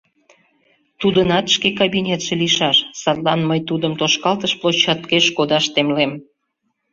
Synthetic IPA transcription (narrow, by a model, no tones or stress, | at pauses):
t̪ud̪ənɑt̪ʃkekɑbinʲet̪ʃeliʃɑʃsɑrlɑnməjt̪ud̪əmt̪oʃkɑlt̪əʃplˠot͡ɕːɑt̪keʃkod̪ɑʃt̪emlem